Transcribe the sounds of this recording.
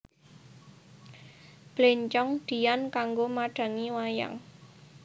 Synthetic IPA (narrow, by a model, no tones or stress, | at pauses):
b̥leɲt͡ʃɔŋd̪̥i̤jankaŋɡomaɖ̥ä̤ŋiwaja̰ŋ